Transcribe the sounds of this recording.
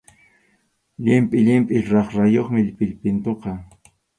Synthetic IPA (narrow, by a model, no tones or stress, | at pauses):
ʎɪmpʼɪʎɪmpʼɪɾɑχɾajoχmɪʎpɪʎpɪnt̪oqɑ